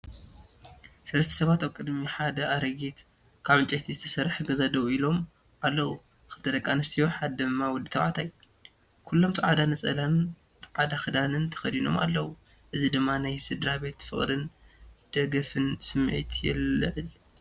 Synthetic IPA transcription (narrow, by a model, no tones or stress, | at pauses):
sɐlɐst̪ʰɐ̥sɐβat̪aβkʼɨd̪miħad̪ɐʔaɾɐɡit̪ | kʰaβɨt͡ʃʼet̪ʰizɨt̪ʰɐ̥sɐɾħɡɐzad̪ɐwilo̞m | alːɐwu | kʰɨlt̪ʰɐd̪ɐkʼːanɐst̪ʰijo̞ħad̪d̪ɨmːawɔd̪ːɨt̪ʰɐwʕa̰t̪ʰaj | kʰulːo̞mt͡sʼaʕad̪anɐt͡sʼɐlan | t͡sʼʕad̪axɨd̪anɨnt̪ʰɐ̥xɐd̪ino̞ma̰lːɐwuʔɨzid̪ɨmːanajsɨd̪ɾabe̞t̪fɨ̰χʼɾɨnd̪̥ɐɡɐfɨnsɨmːʕḭt̪ʰjɛ̰lːɨʕɨl